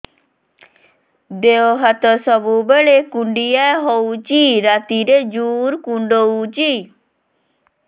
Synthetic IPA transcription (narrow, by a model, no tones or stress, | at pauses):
d̪eoɦat̪əsəbubeɭekũɳɖiaɦout͡ʃiɾaːt̪iɾed͡ʒuːɾkũɳɖout͡ʃi